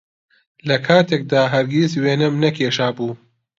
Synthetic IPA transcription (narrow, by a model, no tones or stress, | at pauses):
lɐkʰaːt̪ʰeːk̚d̪aːɦɐɾɡʲizweːnɨmnɐkʰeːʃaːbuː